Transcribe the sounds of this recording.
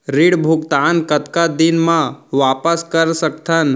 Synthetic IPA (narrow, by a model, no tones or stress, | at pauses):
ɾiɽbʱʊɡt̪ankət̪kad̪inmãʋapəskəɾsək̚t̪ʰən